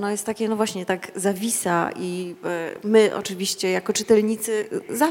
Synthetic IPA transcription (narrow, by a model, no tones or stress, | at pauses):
nɔjɛst̪tːakʲɛnɔvwaɕɲɛt̪aɡzavʲisa̰ʔi | mɘʔɔ̰t͡ʂɘvʲiɕt͡ɕɛjakɔt͡ʂɘt̪ɛlɲit̪sɘza